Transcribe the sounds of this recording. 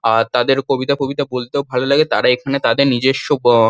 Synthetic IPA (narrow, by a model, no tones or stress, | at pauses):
at̪ad̪eɾkobit̪akobit̪abolt̪eobʱalolaɡet̪aɾaekʰanet̪ad̪eɾnid͡ʑeʃob